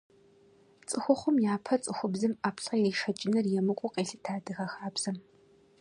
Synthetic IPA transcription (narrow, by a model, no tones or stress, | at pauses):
t͡sʼɨxʷʊχʷʊmjaːpʰɐt͡sʼɨxʷʊbzɨmaːpɬɐjriːʂɐt͡ʃʼɪnɨrjɛmɨkʷʼʊqeːɬɨtʰaːdɨxɐxaːbz̥ɐm